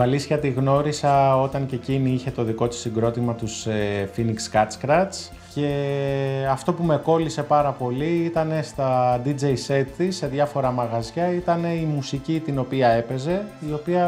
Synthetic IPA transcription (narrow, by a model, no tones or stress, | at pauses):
ɐlisçɐt̪iɣno̞ɾisɐo̞t̪ɐŋce̞ciniiçe̞t̪o̞ðiko̞t̪i̥siŋɡɾo̞t̪imɐt̪usefinikskɐskɾɐs | ce̞ | ɐft̪o̞pume̞ko̞lise̞pɐɾɐpo̞liit̪ɐne̞st̪ɐd̪id͡ʒe̞jse̞t̪t̪isːe̞ðʝɐfo̞ɾɐmɐɣɐzʝɐit̪ɐne̞imusicit̪ino̞piɐe̞pe̞ze̞io̞piɐ